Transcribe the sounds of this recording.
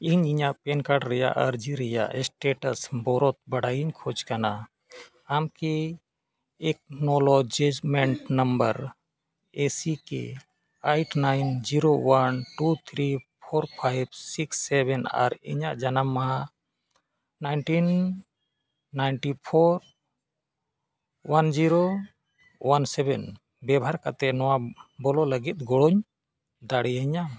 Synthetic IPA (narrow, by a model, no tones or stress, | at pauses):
iɲiɲaʔpɛnkaɖɾɛja̰ʔaɾd͡ʒiɾɛja̰ʔsʈeʈəsbɔɾɔt̪̚bəɽajiɲkʰɔd͡ʒkana | amkeː | k̚nɔlɔd͡ʒed͡ʒmɛɳʈnɐmbəɾ | esikḛ | ajʈnajnd͡ʒiɾowanʈut̪ʰɾipʰɔɾpʰajb̚siksːɛbɛna̰ɾḭɲaʔd͡ʒanamːaɦa | najnʈin | ajnʈipʰɔɾ | wand͡ʒiɾo | wansɛbɛn | bɛbʱaɾkat̪ɛnɔwabɔlɔləɡit̪̚ɡɔɽɔɲ | d̪aɽɛjaɲa